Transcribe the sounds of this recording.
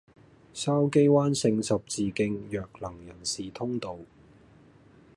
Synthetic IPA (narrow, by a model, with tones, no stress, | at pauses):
saː˥wke˥jwaː˥nsɪ˧ŋsɐ˨p̚t͡siː˨kɪ˧ŋjœː˨k̚lɐ˨˩ŋjɐ˨˩nsiː˨t̪ʰʊ˥ŋt̪o˨˧w